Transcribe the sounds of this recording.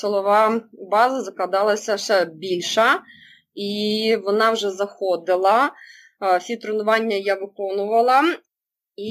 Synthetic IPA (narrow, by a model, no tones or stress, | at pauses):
sɪlˠɔʋɑbɑzɐzɐklˠɐd̪ɑlˠɐsʲɐʃɛbʲilʲʃɐ | iʋɔnɑwʒɛzɐxɔd̪ɪlˠɐ | sʲit̪ɾonʊʋɑnʲːɐjaʋɪkɔnʊʋɐlˠɐ | i